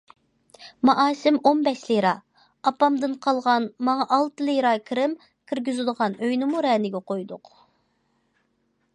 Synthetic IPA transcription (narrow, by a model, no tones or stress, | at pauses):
mɑʔɑːsɪmonbɛʃlɪjɾɑ | ɑpɑmd̪ɨnqʰɑlˠʁɑnmɑŋɑʔɑlˠt̪ɨlˠɪjɾɑkʰɾɪm | kʲʰiɾɡʲyzɪd̪əʁɑnøjnɪmuɾɛːnɪɡʲɛqojd̪ʊq